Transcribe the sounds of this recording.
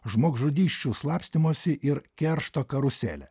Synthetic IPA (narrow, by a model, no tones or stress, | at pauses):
ʒmoːɡʒʊd̪ʲiːʃʲt͡ʃʲuːslˠɑːpʲsʲt̪ʲɪmoːsʲɪʔɪɾkʲɛɾʃt̪oːkɐɾʊsʲæ̰ːlʲɛ̰